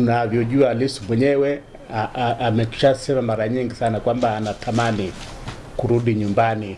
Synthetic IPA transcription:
unavjɔʄualisi̥mwɛɲɛwɛ | aamɛku̥ʃasɛmamaɾaɲiŋɡisanakwambaːnatʰamani | kuɾuɗiɲumbani

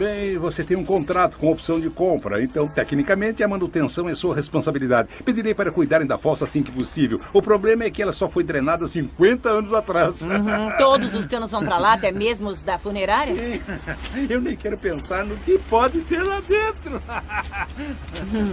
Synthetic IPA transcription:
bẽj̃voset̪ẽj̃ũkõnt̪ɾat̪ʊ̥kõopsɐ̃w̃d͡ʒɪkõmpɾɐ̰ẽnt̪ɐ̃w̃t̪ɛknikɐmẽnt͡ʃ̪ɪɐmɐ̃nut̪ẽsɐ̃w̃ɛsuɐhespõsabilid̪ad͡ʒɪped͡ʒiɾejpaɾɐkujd̪aɾẽj̃d̪ɐfɔɾsɐasĩkɪposivewʊpɾoblẽmɐɛkɪɛlɐsɔfojd̪ɾenad̪ɐsĩŋkwẽnt̪ɐɐ̃nʊzat̪ɾast̪od̪ʊzʊskɐ̃nʊzvɐ̃w̃pɾɐlaat̪ɛmezmʊzd̪ɐfuneɾaɾjɐsĩ | ewnẽj̃kɛɾʊpẽsaɾnʊkɪpɔd͡ʒɪt̪eɾlad̪ẽnt̪ɾʊ

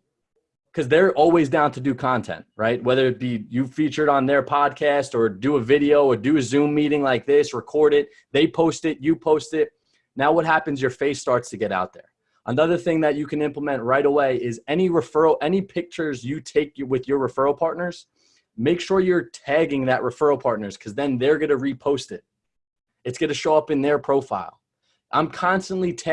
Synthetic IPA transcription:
kʰʌzðə˞ʔɔlˠwizdãʊ̃ntʰɨdɨkʰɑ̃ntʰɛ̰̃nʔɹaɪt̚wɛðə˞ɨb̥ijɨfit͡ʃə˞ɾn̩ðə˞pʰɑd̚kʰæstə˞dɨəvɪɾioʊə˞dɨɨzʉ̃mːiɾɪ̃ŋlaɪk̚ðɪsɹɨkʰɔɹɾɪt̚ | ðeɪpʰoʊstɪt̚jɨpʰoʊstɪt̚ | naʊwʌt̚ɦæpɨ̃n̩zjə˞feɪstɑɹtstʰɨɡɛɾa̰ʊt̪̚ðə̰˞ | ʔənʌðə˞θɪ̃ŋðɨt͡ʃɨkʰɨ̃nɪ̃mpləmɛ̃nʔ̚ɹaɪɾəweɪɪzɛniɹɨfɜ˞l̩ˠʔɛnipʰɪk̚t͡ʃə˞zjɨtʰeɪkjwɪðjə˞ɹɨfɜ˞l̩ˠpʰɑɹtⁿnə˞z̥ | meɪkʃʊɹjə˞tʰæɡɪ̃ŋðɨʔ̚ɹɨfɜ˞l̩ˠpʰɑɹtⁿnə˞z̥kʰʌzðɨ̃nðə˞ɡʌnɨɹipʰoʊstɪt̚ | ɨtsɡ̥ʌɾɨʃoʊʌpɨ̃nðə˞pʰɹ̥oʊfaɪlˠ | ʔã̰ɪ̃mkʰɑ̃nstə̃nʔlitʰæ

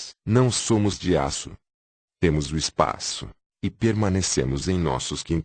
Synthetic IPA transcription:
nɐ̃w̃sõmʊzd͡ʒia̰sʊ̰ | t̪ẽmʊzʊispa̰sʊ | ɪpeɾmɐ̃nesḛ̃mʊzẽj̃nɔ̰sʊskĩn

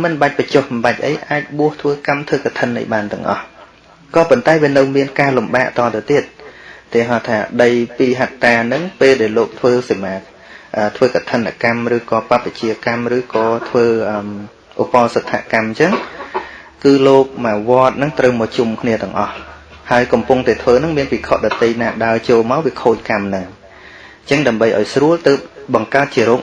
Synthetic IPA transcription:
mɨnɓac̚pət͡ɕohɓmɓac̚ʔə̰jʔaːc̚ɓuəht̪ʰʋəːkamt̪ʰʋəːkat̪ʰənːə̰jɓaːnt̪ɨ̆əŋʔɑ̰h | kɑːpont̪aɛʋiənɨwmiənkaːlumɓaːʔt̪ɑːt̪ɨwt̪iət̪̚ːɛəɦɑt̪ʰaːɗəjpiːɦat̪ːaːnɨŋpeːlɗaɛloːk̚t̪ʰʋəːsemaːt̪̚ | ʔəːt̪ʰʋəːkat̪ʰənːa̰kamrɨːkɑːpap̚ʋət͡ɕiəkamrɨːkɑːt̪ʰʋəːʔəm | ʔopɑlsət̪ʰːa̰ʔkamɲt͡ɕəŋ | kɨːloːk̚maːʋŏət̪̚nɨŋt̪rəwmɔt͡ɕumkʰniət̪ɛ̆əŋʔɑhhaəjkɑmpuŋt̪aɛt̪ʰʋəːnɨŋmiənpikʰot̪̚ɗɑt̪ːəjnaːɗaət͡ɕoːlmaɔwʋiəkʰoːc̚kamnɨŋ | t͡ɕəŋɗaəmɓəjʔa̰ɔjsruəlt̪əːp̚ɓɑŋkaət̪̚t͡ɕiəɾoːk

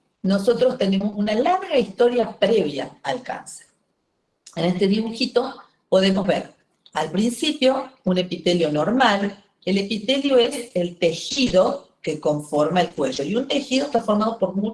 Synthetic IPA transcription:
no̞so̞t̪ɾo̞st̪e̞ne̞mo̞sunalaɾɣaist̪o̞ɾjapɾeβ̞jaalka̰nseɾ | enest̪e̞ðiβuxit̪o̞ | po̞ðe̞mozβḛɾ | alpɾinsipjo̞une̞pit̪eljo̞noɾmal | ele̞pit̪eljo̞eselt̪exiðo̞keko̞ɱfo̞ɾmaelkwe̞ʒo̞iunt̪e̞xið̞o̞e̥st̪afo̞ɾmað̞opo̞ɾmu

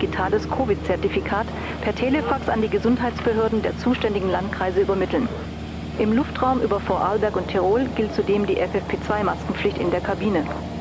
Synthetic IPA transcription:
ɡ̥itʰaːləskʰoːvɪtt͡sɛɐtifikʰaːt | pʰɛɐtʰeːlefaksandiːɡəzʊntɦaɪt͡sb̥əɦøːɐdn̩deːɐt͡suːʃtɛndɪɡŋ̩lantkʁ̥aɪzəʔyːbɐmɪtl̩n | ʔɪmlʊftʁ̥aʊmʔyːbɐfɔɐʔaːlbɛɐkʊntʰɛʁ̞oːlɡɪlt̚t͡sudeːmdiːʔɛfɛfpʰeːt͡sv̥aɪmaskŋ̩flɪçtɪndeːɐkʰabiːnə

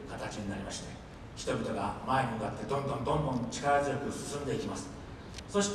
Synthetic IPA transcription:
kat̪at͡ɕiɲ̟inaɾʲimaɕi̥t̪e | çi̥t̪obʲit̪o̞ɡamae̞ɲiɯ̟kat̪ːe̞d̪õ̞nd̪õnd̪õ̞nd̪õ̞nt͡ɕi̥kaɾazɨjo̞kɯ̟sɨ̥sɨ̃nd̪e̞ikʲimasɨ̥ | so̞ɕi̥t̪

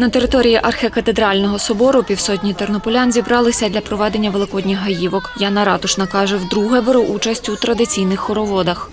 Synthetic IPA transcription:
nɐt̪e̞ɾɪt̪ɔɾʲijiʔɐrxekɐt̪ed̪ɾɑlʲnɔɦɔsɔbɔɾʊpʲiwsɔt̬ʲnʲit̪ernɔpɔlʲanzʲibɾɑlˠɪsʲɐd̪lʲɐpɾɔʋɛd̪e̞nʲːɐʋelˠɪkɔd̪ʲnʲɪxɦɐjiʋɔkjanɐɾɑt̪ʊʃnɐkɑʒɛwd̪ɾuɦɛbeɾuʔut͡ʃɐsʲtʲut̪ɾɐd̪ɪt͡sʲijnɪxːɔɾɔʋɔd̪ɐx

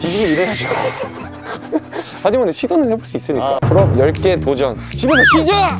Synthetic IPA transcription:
tiɕiɡiiɾeɦad͡ʑo | had͡ʑimanɕʰidonɯnhe̞boɭs͈uis͈ɯɲikk͈akɯɾʌbjʌɭk͈etod͡ʑʌnt͡ɕibesʌɕʰid͡ʑo

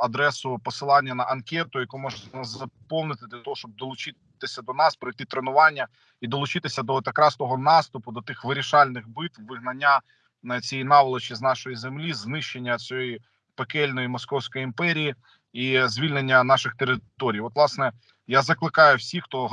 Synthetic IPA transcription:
ɐd̪ɾɛsʊpɔsɪlˠɑnʲːɐnɐʔɐnkʲɛt̪ʊjɐkumɔʒnɑzzɐpɔwˠnɪt̪ɪd̪lʲɐt̪ɔɦɔʃt͡ʃɔb̚d̪ɔlˠʊt͡ʃɪ | t̪ɪsʲɐd̪ɔnɑspɾɐjt̪ɪt̪ɾenʊʋɑnʲːɐ | id̪ɔlˠʊt͡ʃɪt̪ɪsʲɐd̪ɔt̪ɐkɾɑst̪ɔɦɔnɑst̪ʊpʊd̪ɔt̪ɪxʋɪɾʲiʃɑlʲnɪxbɪt̪ʋʋɪɦnɐnʲːa | t͡sʲijinɑʋlˠɔt͡ʃiznɑʃɔjizemlʲiznɪʃenʲːɐt͡sʲɔji | pekɛlʲnɔjimɔskɔwsʲkɔjiimpɛɾʲiji | izʲʋʲilʲnenʲːɐnɑʃɪxt̪eɾɪt̪ɔɾʲijɔt̪ʋlˠɑsnɛ | jazɐklˠɪkɑjʊwsʲixt̪ɔ

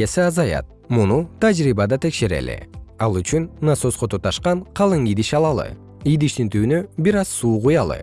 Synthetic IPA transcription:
esiɑzɑjɑ̰t̪̚ | munut̪ʰad͡ʒɾibɑd̪ɑt̪ʰe̞kʃe̞ɾḛlɪ̰ɑlˠyt͡ʃynnːasosqot̪ut̪ɑʃqɑɴqʰɑlˠɯŋid̪iʃɑlˠɑlˠɯ̰ | id̪iʃt̪int̪yːnøbiɾɑzsuːqujɑlˠɯ̰

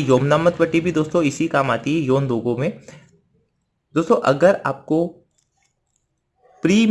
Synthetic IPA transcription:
joːmnaːmət̪bəʈːibʱid̪oːst̪õɪsikaːmaːt̪iɦɛjoːnd̪oːɡõmẽ | d̪oːst̪õʔɐɡəɾa̰ːp̚ko | pɾiː

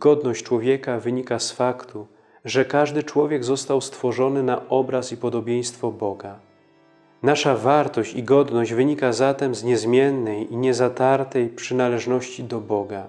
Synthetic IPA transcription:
ɡ̥ɔd̪nɔɕt͡ɕt͡ʂwɔvʲjɛkavɘɲikasfakt̪ʰu | ʐɛkaʐd̪ɘt͡ʂwɔvʲjɛɡzɔst̪awst̪fɔʐɔnɘnaʔɔbɾasipɔd̪ɔbʲjɛj̃st̪fɔbɔɡa | naʂavaɾt̪ɔɕt͡ɕiɡɔd̪nɔʑd͡ʑvɘɲikazat̪ɛmzɲɛzmʲjɛnːɛjiɲɛzat̪aɾt̪ɛjpʂɘnalɛʐnɔɕt͡ɕid̪ɔbɔɡa

